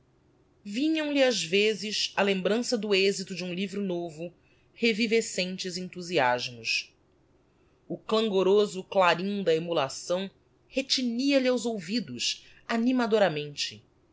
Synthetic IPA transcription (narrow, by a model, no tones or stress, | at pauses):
vĩɲɐ̃w̃liazvezɪʃɐlẽmbɾɐ̃sɐd̪ʊezit̪ʊd͡ʒɪũlivɾʊnovʊ | hevivesẽnt͡ʃɪzẽnt̪uziaʒmʊs | ʊklɐ̃ŋɡoɾozʊklaɾĩd̪ɐemulasɐ̃w̃ | het͡ʃiniɐlɪawzowvid̪ʊs | animad̪oɾɐmẽnt͡ʃɪ